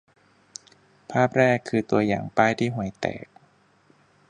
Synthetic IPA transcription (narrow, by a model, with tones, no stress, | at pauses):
pʰaː˥˩p̚ɾɛː˥˩kʰːɯː˧t̪u˧ɐjaː˨˩ŋpaː˥˩jt̪ʰiː˥˩ɦu˨˩ə˦jt̪ɛ̰ː˨˩k̚